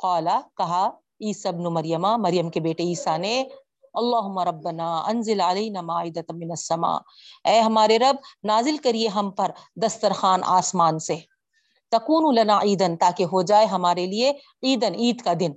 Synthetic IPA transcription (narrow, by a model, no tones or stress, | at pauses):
qaːlɐkɐɦa | iːsaɪbnumɐɾjɐmamɐɾijɐmkebeːʈeiːsane | ɐlˤːaːɦʊmːɐɾˤɐbːɐnaːʔɐnzɪlʕalɐjnaːmaːɪd̪ɐt̪mɪnɐsːɐma̰ː | ɛːɦɐmaːɾeɾɐb̚naːzɪlkɐɾieɦɐmpɐɾd̪ɐst̪ɐɾxaːnʔa̰ːsmaːnse | t̪ɐkuːnulɐnaːʔiːd̪ɐnt̪aːkeɦod͡ʒaːeɦɐmaːɾelie | iːd̪ɐniːd̪kad̪ɪn